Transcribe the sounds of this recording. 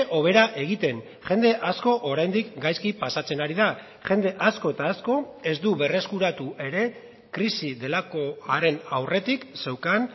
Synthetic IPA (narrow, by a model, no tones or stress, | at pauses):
ʔo̞β̞e̞ɾaʔe̞ɣ̞it̪e̞n | ʝe̞nd̪e̞ʔasko̞ʔoɾajnd̪ikɡajskipasat͡se̞naɾiða | ʝe̞nd̪e̞ʔasko̞et̪aːsko̞e̞zd̪uβe̞re̞skuɾat̪uʔe̞ɾe̞ | kɾisiðe̞lako̞aɾe̞nawre̞t̪ikse̞wkan